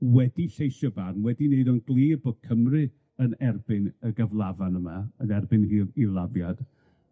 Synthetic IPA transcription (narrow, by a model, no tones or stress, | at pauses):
wɛdiɬejʃɔbarnwɛdineɨðɔnɡlˠiːbɔkʰəmrɨ | ənɛrbɨnəɡəvlˠavanəmaənɛrbɨniːilˠavjad̥